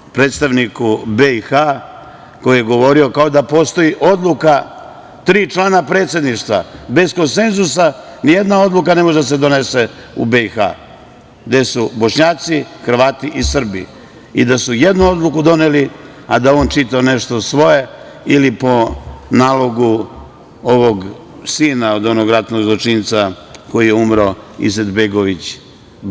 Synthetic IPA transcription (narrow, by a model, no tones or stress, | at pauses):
pɾet̪st̪aʋnikubeixa | ko̞jijeɡo̞ʋo̞ɾio̞kao̞d̪apo̞st̪o̞iʔo̞d̪lˠuka | t̪ɾiːt͡ʃlˠaːnapɾe̞ːt̪sje̞d̪niʃt̪ʋa̰be̞zko̞nse̞nzusa | nije̞d̪nao̞d̪lˠuk̬ane̞moʒed̪as̬e̞d̪o̞ne̞se̞ | ṵbeixa̰ | ɡd̪e̞subo̞ʃɲaːt̪sixr̩ʋaːt̪iʔisr̩bḭ | id̪asuje̞d̪nuo̞d̪lˠukud̪o̞neli | ad̪ao̞ːnt͡ʃit̪aoneʃt̪o̞sʋo̞je̞ | ilipo̞naːlˠo̞ɡu | oʋo̞ɡ | siːnao̞d̪o̞noɡɾat̪noɡzlˠot͡ʃint̪sako̞jijeumɾaḭzed̪beɡo̞ʋit͡ɕ